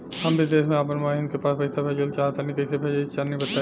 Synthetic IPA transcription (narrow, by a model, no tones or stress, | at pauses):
hɐmbʱid̪eːsmẽaːp̬ənmaɪnkepaːspɐɪsabʱed͡ʒəlt͡ʃaːɦt̪ːnikɐɪsebʱed͡ʒt͡ʃaːnːibɐt̪ːa